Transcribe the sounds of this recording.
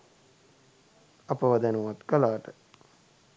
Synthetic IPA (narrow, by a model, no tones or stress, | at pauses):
apəʋad̪anuʋat̪kəlaːʈə